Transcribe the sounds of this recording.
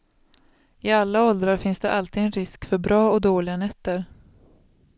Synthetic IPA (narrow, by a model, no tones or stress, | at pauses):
ɪalːaɔld̪ɾaɾfɪnsd̪ɛʔalt̪iːd̪ɛnɾɪskfœɾbɾɑːɔd̪oːlɪɡanɛt̪ːəɾ